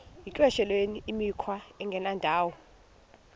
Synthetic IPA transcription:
jikʼwɛʃɛlweniimikʰwaɛŋɡʱɛnandʱaːwɔ

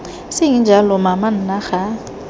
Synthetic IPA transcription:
sɪŋid͡ʒʱalɔmaman̩naɣa

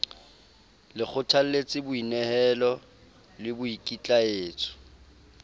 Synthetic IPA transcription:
lɪk͡xʰʊtʰal̩let͡sʼɪbʊinɛhɛlɔ | lɪbʊikʼit͡ɬʼaeːt͡sʰʊ̥

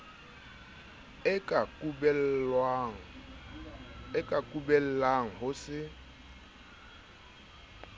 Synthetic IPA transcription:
ɪkʼakʼubɛlwaŋ̩ | ɪkʼakʼubɛl̩laŋ̩ɦʊsɪ

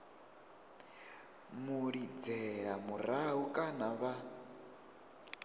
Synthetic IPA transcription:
muɺid͡zɛɺamuɾaukʼanaβa

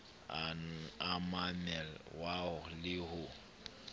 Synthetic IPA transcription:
amamɛlwaʊlɪɦʊ

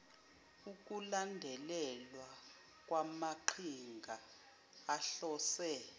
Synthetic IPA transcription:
uk̬ʼulandʱɛlɛlwa | k̬ʼwamaǃʰiŋɡʱaː | ɬɔːsɛ

